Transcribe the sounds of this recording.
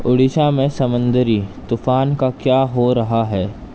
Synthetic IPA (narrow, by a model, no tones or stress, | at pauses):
ʊɽɪʃamẽsɐmə̃nd̪əɾiːt̪ʊfaːnkakjaːɦoɾɐɦaɦɛː